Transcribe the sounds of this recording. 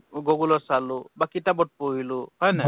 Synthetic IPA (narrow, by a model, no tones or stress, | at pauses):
ɡɔɡulɔsalubakitabɔʈ̚poɦiluhɔjna